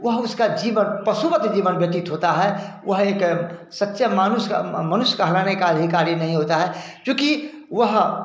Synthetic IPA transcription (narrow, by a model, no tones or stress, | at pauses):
ʋəɦʊskad͡ʒiːʋənpəsubət̪d͡ʒiːʋənbeːʈɪt̪ɦot̪aɦɛwəɦeːksətːʃɛmaːnʊsmənʊsjkaɦɐlaːnekaːd̪ʱikaːɾjinɐɦĩɦoːt̪aɦɛkjõːki | ʋəɦ